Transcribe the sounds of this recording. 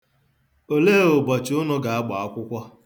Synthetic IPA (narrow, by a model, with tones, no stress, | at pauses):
o˨leː˦o˨bɔ˨t͡ʃɪ˨ʊ˦nʊ˦ɡa˨a˦ɡ͡ba˨a˦kʷʊ˦kʷɔ˦